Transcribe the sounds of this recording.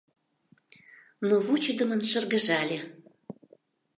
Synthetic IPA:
noβut͡ɕəd̪əmənʃə̆rɣə̆ʒɑlʲe

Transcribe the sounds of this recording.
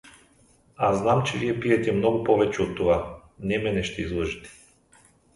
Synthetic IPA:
aznamt͡ʃɛvijɛpiɛt̪ɛmnɔɡupɔvɛt͡ʃɛot̪ːɔanɛmɛnɛʃt̪ɛizlˠɔʒit̪ɛ̥

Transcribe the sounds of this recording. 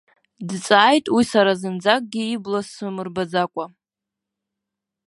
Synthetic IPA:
dt͡sʼaːjtʼwisaɾazɨnd͡zakʼɡʲiːblasɨmɨrbad͡zakʷʼa

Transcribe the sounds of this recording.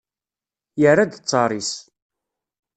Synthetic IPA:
jərːad̪t͡sːɑɾˤis

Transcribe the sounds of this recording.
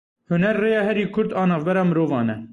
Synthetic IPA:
hʊnɛɾːeːjɑːhɛɾiːkʰʊɾd̪ɑːnɑːvbɛɾɑːmɨɾoːvɑːnɛ

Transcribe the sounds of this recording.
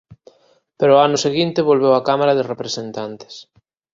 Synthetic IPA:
peɾooanʊseɣint̪ɪβolβewakamaɾɐðɪrepɾesent̪ant̪ɪ̥s

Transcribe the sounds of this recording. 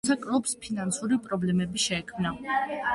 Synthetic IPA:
sʰakʼɾɔpspʰinansuɾipʼɾɔblɛmɛbiʃɛːkʰmna

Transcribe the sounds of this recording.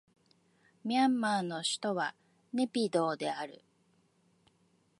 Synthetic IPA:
mʲiãmːanːo̞ɕi̥t̪o̞βa | ne̞pʲid̪o̞ːd̪e̞aɾɯ̟̰

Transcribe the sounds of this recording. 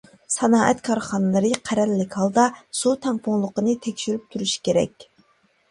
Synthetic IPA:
sɑnɑːʔɛt̪kʰɑɾχɑnɨlˠɨɾɨqʰæɾɛlːɪkʲhɑlˠd̪ɑz̥ut̪ʰɛŋpʰʊŋlˠəqənɨt̪ʰɛkʲʃyɾyp̚t̪ʰuɾuʃi̥kʲeɾɛ̰kʲ

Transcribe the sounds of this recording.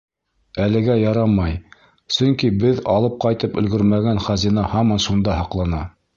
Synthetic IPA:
ælɘ̆ɡæjɑɾɑmɑj | sɵŋkibɘðɑlˠɤp̚qɑjt̪ɤpɵ̆lɡɵɾmæɡænχæzinɑhɑmɑnʃund̪ɑhɑqlˠɑnɑ

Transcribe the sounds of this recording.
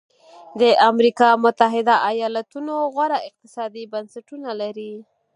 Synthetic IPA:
d̪əʔamɾikɑmʊt̪aɦɪd̪aʔajɑlat̪unoɣwaɾaɪq̚t̪ɪ̥sɑd̪ibansaʈunalaɾi

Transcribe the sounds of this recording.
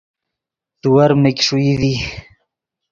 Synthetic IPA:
t̪uwɐɾmekʲʂuiði

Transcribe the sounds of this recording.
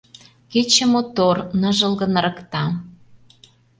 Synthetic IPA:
ket͡ɕə̆mot̪ornəʒə̆lɣə̆nɾɤ̆kt̪ɑ

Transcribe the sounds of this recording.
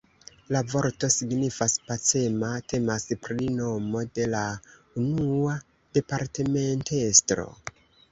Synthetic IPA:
lavo̞ɾto̞siɡnifaspat͡se̞matʰe̞maspɾino̞mo̞de̞la | unua | d̥e̞paɾte̞me̞ntestɾo̞̰

